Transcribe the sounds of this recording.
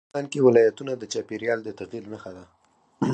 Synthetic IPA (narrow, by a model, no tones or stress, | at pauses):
ɑnkewɪlɑjat̪unad̪ət͡ʃɑpeɾjɑld̪ət̪aɣilnəxad̪a